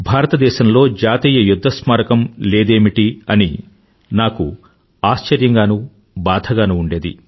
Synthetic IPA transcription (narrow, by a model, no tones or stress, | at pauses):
bʱaːɾɐt̪ɐd̪ɛːʃɐmlo̞ːd͡ʒaːt̪iːjɐjud̪ʱːɐsmaːɾɐkɐmleːd̪e̞ːmiʈiɐni | naːkṵ | aːst͡ʃɐɾjɐŋɡaːnu | baːd̪ʱʰɐɡaːnuuɳɖe̞ːd̪ḭ